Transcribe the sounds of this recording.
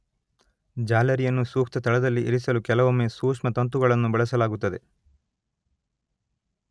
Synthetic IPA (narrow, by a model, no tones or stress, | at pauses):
d͡ʒaːlɐɾijɐnːusuːkt̪ɐt̪ɐɭɐd̪ɐlːiʔiɾisɐlukɛlɐʋomːeːsuːkʂmɐt̪ɐnt̪̬uɡɐɭɐnːubɛɭɐsɐlaːɡut̪ːɐd̪e̞̰